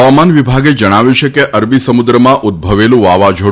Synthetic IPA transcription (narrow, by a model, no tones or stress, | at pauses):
əʋamanʋibʱaɡed͡ʒəɽ̃aʋjũt͡ʃʰekeʔəɾbisəmud̪ɾəmãʔʊd̪̚bʱəʋelũʋaʋad͡ʒʱo